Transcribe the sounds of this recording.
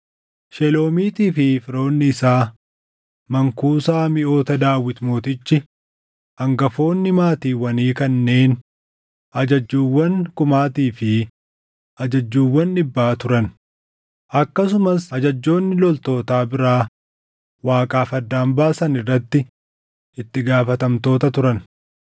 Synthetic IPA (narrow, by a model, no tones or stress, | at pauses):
ʃɛlo̞ːmiːt̪iːfɪfɪɾo̞ːnːɪːsaː | mɐŋkuːsaːmɪʔo̞ːt̪ɐd̪aːwɪt̪mo̞ːt̪ɪt͡ʃːɪ | ɐŋɡɐfo̞ːnːɪmaːt̪iːwɐniːkɐnːe̞ːn | ʔɐd͡ʒɐd͡ʒːuːwːɐŋkʊmaːt̪iːfɪ | ʔɐd͡ʒɐd͡ʒːuːwːɐnːɪbːaːt̪ʊɾɐn | ʔɐkːɐs̬ʊmɐsɐd͡ʒɐd͡ʒːo̞ːnːɪlɔlt̪o̞ːt̪aːbɪɾaː | waːkʼaːfɐd̪ːaːmbaːsɐnɪrːɐt̪ːɪ | ɪt̪ːɪɡaːfɐt̪ɐmt̪o̞ːt̪ɐt̪ʊɾɐn